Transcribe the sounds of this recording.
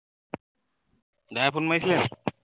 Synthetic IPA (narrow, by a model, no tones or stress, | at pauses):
d̪apʰunmajsilen